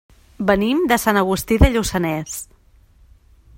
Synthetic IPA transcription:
bənimd̪əsanəɣ̞ust̪iðəʎusənɛs

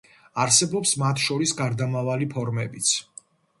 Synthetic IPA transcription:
aɾsɛbɔpsmat̪ʰʃɔɾisɡaɾd̪amavalipʰɔɾmɛbit̪sʰ

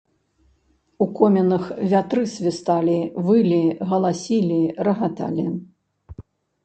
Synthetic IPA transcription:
ukɔmʲɛnɐxvʲat̪ɾɨsʲvʲist̪alʲivɨlʲiɣɐlˠasʲilʲiɾɐɣat̪a̰lʲi

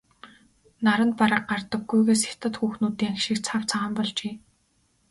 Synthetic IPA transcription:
naɾə̆nt̪̚paɾə̆qɢart̪ə̆ɡːujɣeːsxɪ̥t̪ə̆t̪xuːxnuːt̪iːŋxʃĭkt͡sʰaw̥t͡sʰaʁə̆mpɔɮt͡ɕeː

